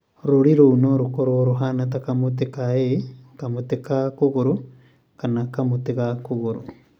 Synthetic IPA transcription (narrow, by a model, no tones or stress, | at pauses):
ɾuɾiɾonoɾukoɾoɾuɦanatakamut̬ikaekamutikakuɣuɾu | kanakamutikakuɣuɾṵ